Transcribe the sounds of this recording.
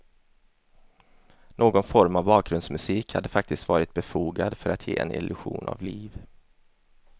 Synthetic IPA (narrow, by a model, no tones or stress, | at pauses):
noːɡɔnfɔɾmavbɑːk̚ɡɾɵnd̪smɵsiːkhad̪ːəfak̚t̪ɪst̪vɑːɾɪt̪̚bɛfuːɡad̪fœɾat̪ʰjḛːɛ̰nʔɪ̰lʔɵɧuːna̰vliːv